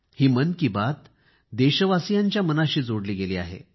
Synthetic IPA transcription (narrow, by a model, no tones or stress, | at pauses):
hiːmənkibat̪ | d̪eɕəʋasijaɲt͡ɕjamənaɕiːd͡zoɽliːɡeliːa̰ɦḛ